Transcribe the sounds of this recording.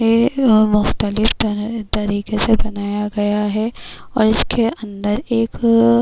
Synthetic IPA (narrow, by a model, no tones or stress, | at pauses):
eːmʊxt̪əlɪft̪t̪ɐɾiːkesebɐnaːjaɡɐjaɦɛɔ̰ːɾɪskʰeɐ̃nd̪əɾeːk